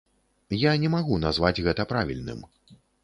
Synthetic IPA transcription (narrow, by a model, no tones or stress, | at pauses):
janʲɛmaɣunazvad͡zʲɣɛt̪ɐpɾavʲḭlʲnɨ̰m